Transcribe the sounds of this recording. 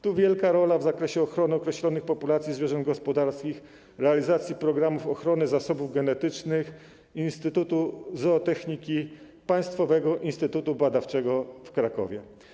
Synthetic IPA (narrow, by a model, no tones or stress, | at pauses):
t̪ɔvʲjɛlkaɾɔlavzakɾɛɕɛɔxɾɔnɘɔkɾɛɕlɔnɘxpɔpulat̪sʲjizvʲɛʐɛɔnd̪̚ɡɔspɔd̪aɾskʲix | ɾɛalʲizat̪sʲjipɾɔɡɾamufɔxɾɔnɘzasɔbuvɡɛnɛt̪ɘt͡ʂnɘx | inst̪ɘt̪ut̪uzɔːt̪ɛxɲikʲi | paj̃st̪fɔvɛɡɔʔinst̪ɘt̪ut̪ubad̪aft͡ʂɛɡɔfkɾakɔ̰vʲjɛ